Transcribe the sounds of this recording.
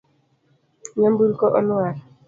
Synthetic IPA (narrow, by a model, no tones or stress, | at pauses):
ɲambulkɔʔɔnwaɾ